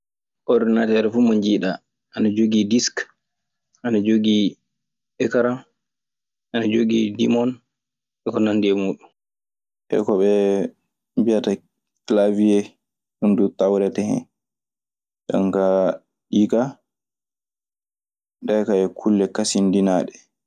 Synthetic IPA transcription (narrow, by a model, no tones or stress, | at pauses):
ʔɔɾdinatɛɾɛfumoɲd͡ʒiɗa | ʔanad͡ʒoɡidisk | ʔanad͡ʒoɡi | ɛkaɾam | ʔanad͡ʒoɡidimɔn | ɛkɔnandiɛmuːɗun | ʔɛ̰kɔɓɛ | mbijata | klaviɛ | ɗundutawɾɛtɛhɛ̰n | ɗa̰ŋka | ɗika | ɗajkaɛkʰulːɛkasindinaːɗɛ